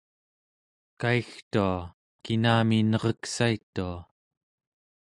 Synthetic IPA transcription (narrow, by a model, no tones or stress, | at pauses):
kaixt̪ua | kinaːminʌʁʌksait̪ːua